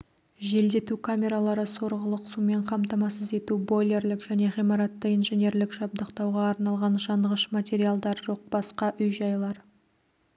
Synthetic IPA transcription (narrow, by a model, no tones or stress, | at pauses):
ʒe̞ld̪e̞t̪ukʰamʲe̞ɾalˠɑɾəso̞ɾʁəlˠəqsume̞ɴqʰɑmt̪ɑmɑsəze̞t̪ubo̞lʲe̞rlɪkʒ̥æne̞ʁijmɑɾɑt̪ːəijnʒenʲe̞ɾlɪkʒɑb̚d̪əqt̪ɑwʁɑːɾnɑlˠʁɑnʒɑɴʁəʃmat̪ʲe̞ɾialˠd̪ɑɾʒo̞q̚b̥ɑsqɑʔʏjʒɑjlˠɑɾ